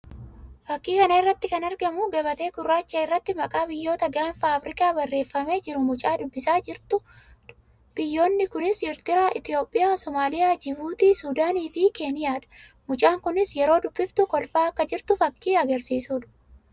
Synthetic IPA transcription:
fɐkːiːkɐnɐɪrːɐt̪ːɪkɐnɐɾɡɐmʊɡɐbɐt̪e̞ːɡʊrːaːt͡ʃːɐɪrːɐt̪ːɪmɐkʼaːbɪjːo̞ːt̪ɐɡanfaːfɾɪkʼaːbɐrːe̞ːfːɐme̞ːd͡ʒɪɾʊmʊt͡ʃʼaːd̪ʊbːɪsaːd͡ʒɪɾt̪ʊ | b̥ɪjːo̞ːnːɪkʊnɪsɪɾt̪ɪɾaːʔɪt̪ɪjo̞ːpʼːɪjaːsɔmaːlɪjaːd͡ʒɪbuːt̪iːsuːd̪aːniːfɪke̞ːnɪjaːᶑ̪ɐ̥ | mʊt͡ʃʼaːŋkʊnɪsjɛɾo̞ːd̪ʊbːɪft̪ʊkɔlfaːɐkːɐd͡ʒɪɾt̪ʊfɐkːiːɐɡɐɾsiːsuːᶑ̪ɐ̥

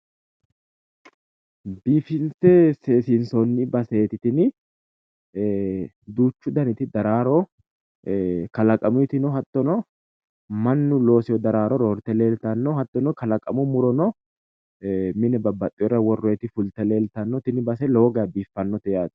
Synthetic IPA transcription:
biːfɪnsɛseːsɪnsɔnːɪbɐsɛːt̪ɪt̪ɪnɪ | d̪uːt͡ʃːʊd̪ɐnɪt̪ɪd̪ɐɾaːɾɔ | kɐlɐkʼɐmʊɪt̪ɪnɔɦɐt̪ːɔnɔ | mɐnːʊlo̞ːsɪjɔd̪ɐɾaːɾɔɾoːɾt̪ɛleːlt̪ɐnːɔhɐt̪ːɔnɔkɐlɐkʼɐmɔmʊɾɔnɔ | mɪnɛbɐbːɐt̪ʼːɪjɔɾɐwɔrːɔɛt̪ɪfʊlt̪ɛle̞ːlt̪ɐnːɔt̪ɪnɪbɐs̬ɛlo̞ːɡɐjɐbiːfːɐnːɔt̪ɛjaːt̪ɪ̥

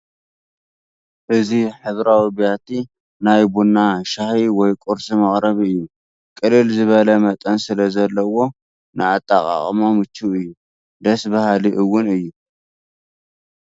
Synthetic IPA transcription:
ʔɨziħɨβɾawibijat̪ʰi | najbunːaʃahiwɔjkʼʊɾsimɐχʼɾɐβiɨjːu | kʼɨlːɨlzɨβɐlɐmɐt̪ʼɐnsɨlɐzɐlːɐwo̞ | nɨat̪ʼːaχʼa̰χʼmamɨt͡ʃʰːuɨjːu | d̪ɐsbahaliʔɨwːʊnɨjːu

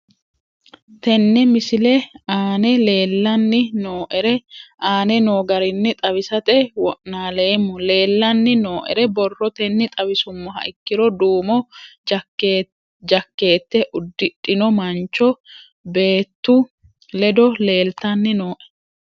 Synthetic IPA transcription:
t̪ɛnːɛmɪsɪlɛaːnɛle̞ːlːɐnːɪnoːʔɛɾɛʔaːnɛnoːɡɐɾɪnːɪt̪ʼɐβɪsɐt̪ɛwɔ̰ʔnaːleːmːʊle̞ːlːɐnːɪnoːʔɛ̰ɾɛbɔrːɔt̪ɛnːɪt̪ʼɐβɪsʊmːɔɦɐ̰ʔɪkːɪɾɔd̪uːmɔ | d͡ʒɐkːe̞ːt̪ːɛʔʊd̪ːɪᶑɪnɔmɐnt͡ʃːɔ | be̞ːt̪ːʊ | lɛd̪ɔle̞ːlt̪ɐnːɪno̞ːʔɛ̥

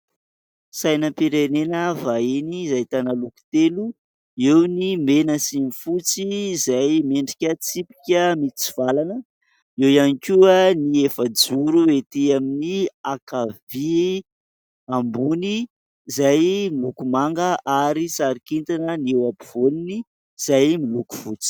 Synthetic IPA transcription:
sajnəpiɾenenəvainizajt̪analuku̥t̪elu | ewnimenəsinifut͡sizajmeɳɖ͡ʐi̥kʲət͡sipi̥kʲəmit͡si̥v̥alanə | ewianikʲuəniefəd͡zuɾuet̪eaminiakavi | ambuni | zajmilukumaŋɡəʔaɾisaɾikint̪anənewabiv̥olini | z̥ajmiluku̥fut͡si̥

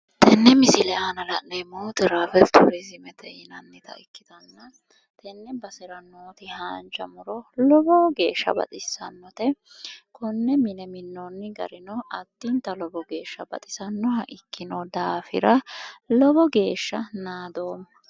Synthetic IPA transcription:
t̪ʰɛnːɛmɪsɪlɛaːnɐlɐnnɛmoːt̪ɛɾaːfɛt̪ʰʊɾɛsɪmɛt̪ʰɛhɪnɐnːɪt̪ɐ̰ʔɪkːɪt̪ɐnːɐ | t̪ʰɛnːɛbɐsɪɾɐnoːt̪ɪhaːnt͡ʃɐmʊɾɔlɔbɔɡe̞ːʃːɐ̰bɐ̰t̪ʼɪsːɐnːɔt̪ɛkɔnːɛmɪnɛmɪnːonːɪɡɐ̰ɾɪnɔʔɐt̪ːint̪ɐlɔbɔɡe̞ːʃːɐbɐ̰t̪ʼɪ̥sɐnːɔhɐʔɪkːɪnod̪aːfɪ̰ɾɐlɔbɔɡe̞ːʃːɐnaːd̪oːmɐ

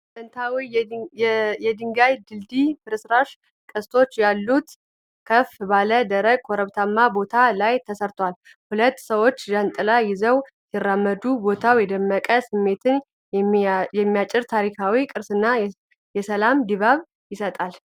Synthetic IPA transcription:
t̪ʰənt̪ʰawi | jɛd̪ɨŋɡajd̪ɨld̪ifɨɾɨsɾaʃ | kʼɨst̪ʰo̞t͡ʃːjalːut̪ | kʰəfbaləd̪əɾəɡ̚kʰoɾəβt̪ʰamːabo̞t̪ʰalajt̪ʰəsəɾt̪ʰwal | hulət̪ːsəwo̞t͡ʃːʒant̪ʼɨlajɪzəw | jɪrːamːəd̪ubo̞t̪ʰawjɛd̪əmːəkʼəsɨmːe̞t̪ʰɨn | jɛmːijat͡ʃʼːɪɾt̪ʰaɾikʰawikʼɨɾsɨnːa | jɛsəlamd̪iβaβ | jɪsət̪ʼal

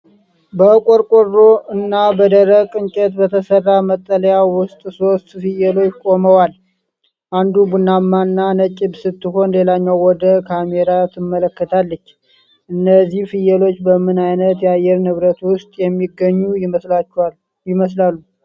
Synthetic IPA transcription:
bəkʼoɾkʼorːo̞ɨnːabəd̪əɾəkʼɨnt͡ʃʼɛt̪bət̪ʰəsərːamət̪ʼːələjawʊst̪ʼso̞st̪fɨjɛlo̞t͡ʃːkʼo̞məwal | ʔand̪ubunːamːanːanət͡ʃʼɪbsɨt̪ːɨɦo̞nle̞laɲːawwɔd̪əkʰameɾat̪ʰɨmːələkːət̪ʰalːət͡ʃː | ʔɨnːəzːihfɨjɛlo̞t͡ʃːbəmɨnajnət̪jɛajːɛɾnɨβɾət̪wʊst̪ʼjɛmːiɡːəɲːua | jɪməslalːu

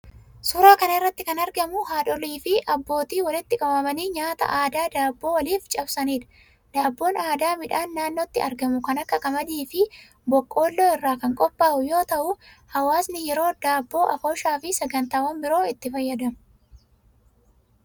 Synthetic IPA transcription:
sʊɾaːkɐnɐɪrːɐt̪ːɪkɐnɐɾɡɐmʊɦaːᶑɔliːfɪʔɐbːo̞ːt̪iːwɐlɪt̪ːɪkʼɐbɐmɐniːɲaːt̪ɐ̰ʔaːd̪aːd̪aːbːo̞ːwɐliːft͡ʃʼɐbsɐniːᶑɐ̥ | d̪̥aːbːo̞ːnaːd̪aːmɪᶑaːnːaːnːoːt̪ːɪɐɾɡɐmʊkɐnɐkːɐkʼɐmɐd̪iːfɪ | bɔkʼːo̞ːlːoːɪrːaːkɐŋkʼɔpʼːaːʔʊjo̞ːt̪ɐʔʊ | hɐwaːsnɪjɛɾo̞ːd̪aːbːo̞ːʔɐfoːʃaːfɪsɐɡɐnt̪aːwɐmbɪɾoːɪt̪ːɪfɐjːɐd̪ɐmʊ

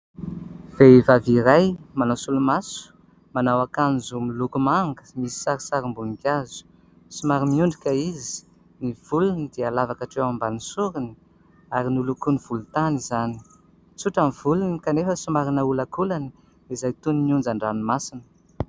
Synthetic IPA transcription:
v̥evaviɾajmanawsulumasu̥ | manawakanzumilukumaŋɡə̥misi̥saɾisaɾimbunikʲjazu̥ | sumaɾimiuɳɖ͡ʐikʲaizi̥ | niv̥ulunəd̪ealavakaʈ͡ʂewambanisuɾini | aɾinulukuniv̥ulut̪anizani̥ | t͡suʈ͡ʂamivulunikanefəsumaɾinaulakulani | izajt̪uniniund͡zaɳɖ͡ʐanimasinə̥

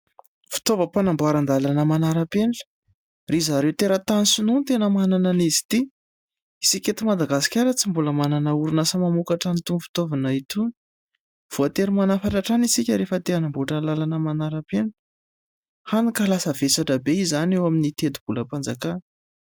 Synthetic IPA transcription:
fi̥t̪ovəpanamboaɾand̪alanəmanaɾapenʈ͡ʂə̥ | rizaɾewt̪eɾət̪anisununt̪enəmanananizi̥t̪i | isikʲet̪imad̪aɡasi̥kʲaɾət͡simbuləmananauɾunasəmamukaʈ͡ʂanit̪umfi̥t̪ovanait̪uni̥ | v̥oat̪eɾimanafaʈ͡ʂaʈ͡ʂanisikʲəɾefət̪eanambuʈ͡ʂəlalanəmanaɾəpen | hanikalasəvesaʈ͡ʂəbeizanewaminit̪ed̪ub̥uləpand͡zakan

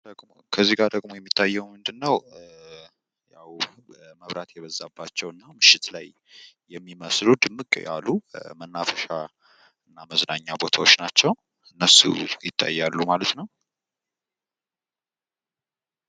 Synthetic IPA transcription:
d̪əɡmokʰəzːiɡaɾd̪əɡʼmo̞jɛmːit̪ʰːajːɛwmɨnd̪ɨnːəw | jaw | əməβɾat̪jɛβəzːabːat͡ʃːɛwɨnːamɨʃːɪt̪lajː | ɛmːiməslud̪ɨmːɨkʼja̰lːumənːafəʃa | ɨnːaməznaɲːabo̞t̪ʰawot͡ʃːnat͡ʃːɛw | ɨnːəsṵjɪt̪ʰːa̰jːalːumalət̪nəw

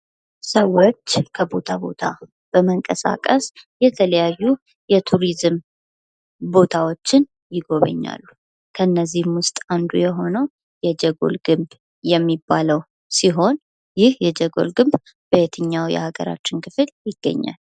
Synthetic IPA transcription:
səwːot͡ʃːkʰəbo̞t̪ʰabo̞̰t̪ʰa | b̥əməŋkʼəsa̰kʼəsjɛt̪ʰələjajːu | jɛt̪ʰuɾizɨm | bo̞t̪ʰawo̞t͡ʃːɪn | jɪɡo̞βə̰ɲːa̰lːu | kʰəɨnːəzːihmwʊst̪ʼand̪ujɛɦo̞nəw | jɛd͡ʒɛɡo̞̰lɡɨmb | jɛmːibːaləw | siɦo̞n | jɪhjɛd͡ʒɛɡo̞̰lɡɨmb | b̥əet̪ʰɨɲːawjɛ̰haɡə̰ɾa̰t͡ʃːɪnkʰɨfɨljɪɡ̥ːə̰ɲːa̰lː

